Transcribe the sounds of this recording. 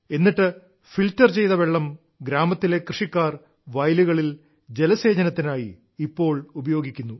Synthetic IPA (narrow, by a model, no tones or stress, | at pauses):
e̞nːiʈːɨ | filtːɐrt͡ɕe̞jt̪ɐʋe̞ɭːɐm | ɡɾaːmɐt̪ːile̞krɨʂikːaːr | ʋɐjluɣɐɭil | d͡ʑe̞lɐse̞ːd͡ʑɐnɐt̪ːinaːjiː | pːo̞ːɭubɐjo̞ːɡikʲːunːu